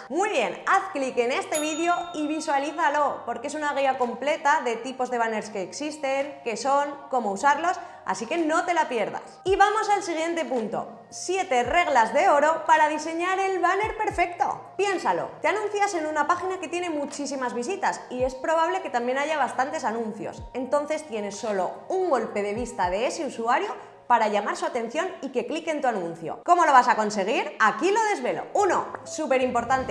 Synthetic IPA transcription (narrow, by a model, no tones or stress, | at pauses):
mwiβje̞naθklikene̞st̪e̞β̞iðjo̞iβiswaliθalo̞po̞ɾkee̞sunaɣ̞iako̞mple̞t̪aðe̞t̪ipo̞zðe̞βane̞ɾske̞ːksist̪e̞ŋke̞so̞ŋko̞mo̞usaɾlo̞s | a̰sike̞no̞t̪e̞lapje̞ɾða̰siβamo̞salsiɣ̞je̞nt̪e̞punt̪o̞̰ | sje̞t̪e̞re̞ɣ̞lazðe̞o̞ɾo̞paɾaðise̞ɲaɾe̞lβane̞ɾpe̞ɾfe̞kt̪o̞̰pje̞nsalo̞̰t̪eanũn̟θjase̞nunapaxinake̞t̪je̞ne̞mut͡ʃisimazβis̬it̪asie̞spɾo̞β̞aβle̞ke̞t̪ambje̞naʝaβ̞ast̪ant̪e̞sanũn̟θjo̞̰se̞nt̪o̞nθe̞st̪je̞ne̞sːo̞lo̞uŋɡo̞lpe̞ðe̞βist̪aðe̞ese̞usuaɾjo | paɾaʎamaɾsuat̪ẽ̞n̟θjo̞nike̞klike̞nt̪uanũnθjo̰ko̞mo̞lo̞β̞asako̞nse̞ɣ̞iɾakilo̞ðe̞zβe̞lo̞̰uno̞̰supe̞ɾimpo̞ɾt̪ant̪e